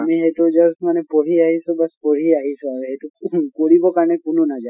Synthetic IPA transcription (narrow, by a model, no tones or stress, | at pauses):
amiɦeʈod͡ʒɔsmanepɔɽ̤iaɦisubaspɔɽ̤iaɦisuabeɦeʈukoɽibɔkaɾnekununad͡ʒa